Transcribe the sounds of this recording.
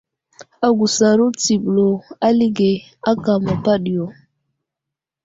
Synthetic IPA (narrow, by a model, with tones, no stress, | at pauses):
a˨ɡu˨sa˨ɾu˦t͡si˨ɓlo˨a˦li˦ɡe˨ | a˦ka˨ma˨pa˦ɗi˨jo˨